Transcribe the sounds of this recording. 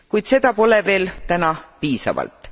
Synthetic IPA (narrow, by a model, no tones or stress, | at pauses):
kujd̪se̞d̪̥ɑpo̞le̞ve̞ːlt̪ænɑpiːsɑ̰vɑ̰lt̪ˑ